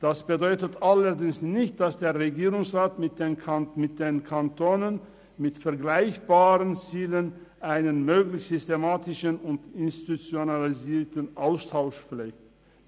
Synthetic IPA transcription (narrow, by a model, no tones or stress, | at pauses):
d̥asb̥ədɔʏtətalədɪŋsnɪçt̚d̥asd̥eːɐʁeɡiːʁʊŋsʁaːtmɪt̚d̥enkʰamɪt̚d̥eːnkʰantoːnən | mɪtfɛɐɡlaɪçb̥aːʁənt͡siːlənʔaɪnənmøːɡlɪçtz̥ʏstemaːtɪʃənʊntɪnstitut͡sjonaliziːtənʔaʊstʰaʊʃp͡flɛːkt